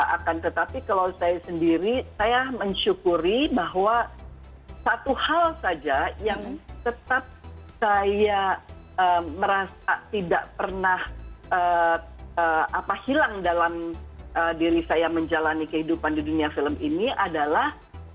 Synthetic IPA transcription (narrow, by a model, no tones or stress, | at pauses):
a̰kant̪ət̪apikalawsajasəndiɾisajaməɲʃukuɾibaɦwa | sat̪uhalsad͡ʒajaŋt̪ət̪ap̚saja | əməɾasat̪ida̰ʔpərnahʔə | əʔapahilaŋdalamədiɾisajaməɲd͡ʒalanikəhidupandiduniafiləminiʔadalah